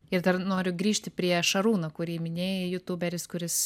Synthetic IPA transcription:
ɪɾd̪ɐɾnoːɾʲʊɡɾʲiːʃʲt̪ʲɪpʲɾʲiɛʃɐɾuːnoːkʊɾʲiːmʲɪnʲeːjɛjʊt̪ubʲɛɾʲɪskʊɾʲɪs

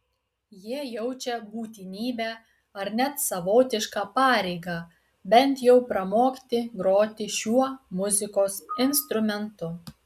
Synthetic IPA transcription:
jiɛjɛʊt͡ʃʲɛbuːt̪ʲɪnʲiːbʲæː | ɐɾnʲɛt̪sɐʋoːt̪ʲɪʃkɑːpɑːɾʲɛɪɡɑː | bʲɛnʲt̪jɛʊpɾɐmoːkʲt̪ʲɪɡɾoːt̪ʲɪʃʲuɔmʊzʲɪkoːsɪnst̪ɾʊmʲɛnt̪ʊ

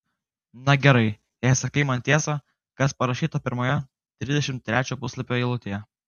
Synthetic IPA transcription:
nɐɡʲɛɾɐɪ | jɛsɐkɐɪmɐnt̪ʲiɛsɐ | kɐspɐɾɐʃʲiːt̪opʲɪɾmoːjɛ | t̪ʲɾʲɪd̪ʲɛʃʲɪmt̪ʲːɾʲæːt͡ʃʲoːpʊsʲlˠɐpʲoːiɪlˠʊt̪ʲejɛ

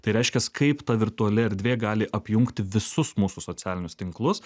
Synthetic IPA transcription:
t̪ɐɪɾʲɛɪʃʲkʲɛskɐɪpt̪ɐʋʲɪɾt̪uɐlʲɪɛɾd̪ʲʋʲeːɡɑːlʲɪʔɐpʲjʊŋkt̪ʲɪʋʲɪsʊsmuːsusoːt͡s̪ʲæːlʲɪnʲʊst̪ʲɪŋklˠʊs

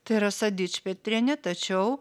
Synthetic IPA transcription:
t̪ɐɪiɾɐsɐd̪ʲiːt͡ʃʲpʲɛt̪ʲɾʲɛnʲɛt̪ɐt͡ʃʲɛʊ

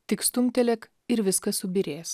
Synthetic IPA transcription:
t̪ʲɪkst̪ʊŋʲt̪ʲɛlʲɛk | ɪɾʋʲɪskɐsʊbʲɪɾʲeːs

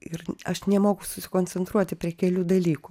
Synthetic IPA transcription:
ɪrɐʃnʲɛmoːɡʊsʊsʲɪ̥koːnʲt͡sʲɛnt̪ɾuɔt̪ʲɪpʲɾʲiɛkʲɛlʲuːd̪ɐlʲiːkʊ

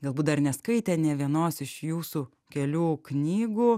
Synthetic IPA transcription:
ɡɐlˠbuːt̪d̪ɐrnʲɛskɐɪt̪ʲɛːnʲɛʋʲiɛnoːsɪʃjuːsuː | kʲɛlʲuːknʲiːɡuː

